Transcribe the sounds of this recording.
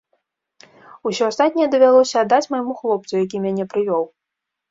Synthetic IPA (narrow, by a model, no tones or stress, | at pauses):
usʲɔast̪at̪nʲɛjɛd̪ɐvʲalˠɔsʲɐːd̪ːat͡sʲmajmuxlˠɔp̪̚sujak̬ʲimʲanʲɛpɾɨvʲɔw